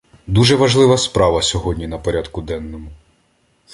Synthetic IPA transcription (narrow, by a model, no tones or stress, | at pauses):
d̪uʒɛʋɐʒlˠɪʋɐspɾɑʋɐsʲɔɦɔdʲnʲinɐpɔɾʲad̪kʊd̪ɛnːɔmʊ